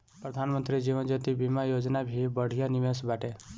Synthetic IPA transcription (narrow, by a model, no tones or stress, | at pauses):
pɾəd̪ʱanmənt̪ɾid͡ʒiʋənd͡ʒət̪ibimajod͡ʒnabʱibəɽ̤ijaniʋesbaʈe